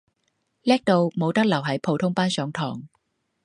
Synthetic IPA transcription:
lɛː˥k̚t̪o˧wmo˨˧wt̪ɐ˥k̚lɐ˨˩wɦɐ˨˥jpʰo˨˧wt̪ʰʊ˥ŋpaː˥nsœː˨˥ŋt̪ʰɔː˨˩ŋ

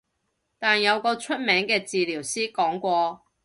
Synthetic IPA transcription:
t̪aː˨˩njɐ˨˧wkɔː˧t͡ʃʰɵ˥t̚mɛː˨˥ŋkɛː˧t͡siː˨liː˨˩wsiː˥kɔː˨˥ŋkʷɔː˧

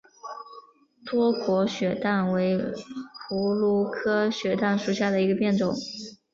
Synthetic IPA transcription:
t̪wɔ˥kwɔ˧˥ɕɥɛ˨˩t̪a˥˩nwe˧˥ɪpʰu˧˥lu˥˩kʰɤ˥ɕɥɛ˨˧˩t̪a˥˩nʂu˨˩ɕja˥˩d̪ə˩i˧˥ɡə˧pjɛ˥˩nʈ͡ʂʊ˨˩˦ŋ

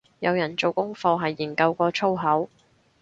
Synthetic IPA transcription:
jɐ˨˧wjɐ˨˩nt͡so˨˧wkʊ˥ŋfɔː˧ɦɐ˨jːiː˨˩nkɐ˧wkɔː˧t͡sʰo˥wɦɐ˨˥w

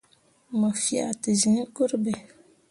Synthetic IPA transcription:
ma˨fja̰˨ti˨zĩ˨˦ku˦ɾbɛ˨

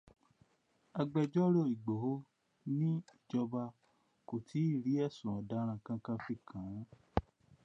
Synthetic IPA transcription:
a˧ɡ͡bɛ˧d͡ʒɔ˦ɾo˦˨i˨ɡ͡bo˨ho˦ | nĩ˦i˦˨d͡ʒɔ˧ba˧ | ko˨tʰi˨˦i˦˨ɾi˨˦ɛ˦˨sũ˨ɔ˨da˨˦ɾ̃ã˧kã˧kã˧˦fi˦˨kʰã˨˦

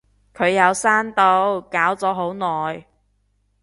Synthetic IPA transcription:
kʰɵ˨˧ɥjɐ˨˧wsaː˥nt̪o˧wkaː˨˥wt͡sɔː˨˥ɦo˨˥wnɔː˨˩j

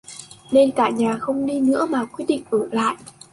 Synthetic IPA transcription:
ɗe˧nkaː˧˩ɲaː˨˩xə˧wŋ͡mɗi˧nɨ̰˧˥əmaː˨˩kwi˦˥t̚ɗḭ˧˨ŋ̟ʔəː˧˩la̰ː˧˨jʔ

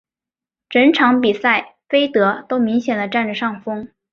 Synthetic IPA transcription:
ʈ͡ʂə˧˥nʈ͡ʂʰɑ˧˥ŋpi˨˩sa˥˩ɪfe˥ɪt̪ɤ˧˥t̪o˥ʊmi˧˥ŋɕjɛ˨˩nlə˦ʈ͡ʂa˥˩nʈ͡ʂə˩ʂɑ˥˩ŋfɤ˥ŋ

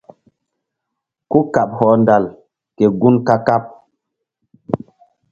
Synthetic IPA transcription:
ku˦ka˨p̚hɔː˨˦nda˨l | ke˨ɡu˦nka˦ka˦p̚

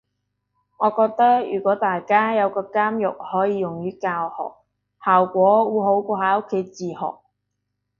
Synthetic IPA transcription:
ŋɔː˨˧kɔː˧k̚t̪ɐ˥k̚jy̰ː˨kʷɔː˨˥t̪aː˨jkaː˥jɐ˨˧wkɔː˧kaː˥mjʊ̰˨k̚hɔː˨˥jiː˨˧jʊ˨˩ŋjyː˥kaː˧whɔ̰ː˨k̚ | haː˨˩wkʷɔː˨˥wuː˨˧ɦo˨˥wkʷɔː˧haː˧˥ʔʊ˥kʰːe˨˥jt͡siː˨˧hɔ̰ː˨˩k̚

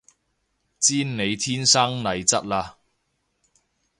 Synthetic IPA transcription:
t͡siː˥nne˨˧jt̪ʰiː˥nsaː˥ŋnɐ˨˧jt͡sɐ˥t̚laː˧

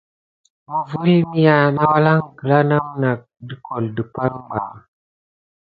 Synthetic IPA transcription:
mə˨vu˦lmi˦ja˨na˦wa˦la˦ŋkə˨la˦na˦mna˨k̚di˨kʰo˨ldi˨pa˦lɡ͡ba̰˨

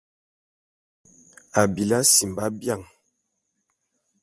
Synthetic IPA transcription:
a˨bi˨la˦si˨mba˦bja˦˨ŋ

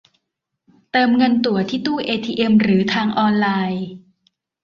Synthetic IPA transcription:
t̪ɤː˧mŋɤ˧nt̪u˨˩ɐt̪ʰiː˥˩t̪uː˥˩ʔeː˧t̪ʰiː˧ʔe˧mɾɯː˩˦t̪ʰaː˧ŋʔɔː˧nlaː˧j

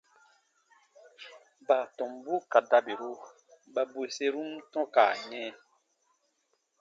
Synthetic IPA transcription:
ba˨tɔ̃˨mbu˦ka˨da˦be˨ɾu˦ | ba˦bwe˨se˦ɾu˦mtɔ̃˦ka̰˨ɲɛ̃˦

